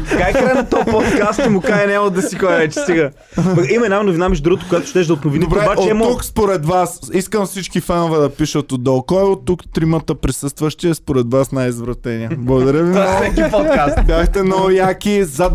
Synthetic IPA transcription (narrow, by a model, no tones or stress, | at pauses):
kajkaɛnɐt̪ɔpɔt̪kast̪imʊkajnɛod̪ɐsikɔjvɛt͡ʃ̪ɛ̥siɡa | pimɐɛnamnʊvinamiʒd̪ɾuɡot̪ʊkʊjat̪ʊ̥ʃt̪ɛʒd̪ɐot̪novinibɛaot͡ʃɛɛukspoɾɛd̪vasiskəmfsit͡ʃkifanovɛd̪ɐpiʃət̪od̪ɔlˠkɔjɛot̪ːukt̪ɾimət̪əpɾisɤst̪vəʃt̪iɛspoɾɛd̪vasnajizvɾɐt̪ɛniəblˠɐɡʊd̪ɐɾʲjəvisɛkipɔt̪kast̪bʲjaxt̪ɛnojakiza